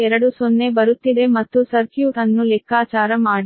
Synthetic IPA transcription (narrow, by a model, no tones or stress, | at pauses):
ɛɾɐɽusonːe̞bɐɾut̪ːid̪e̞mɐt̪ːusɐɾkjuːʈɐnːulɛkʰaːt͡ʃaːɾɐmaːɽi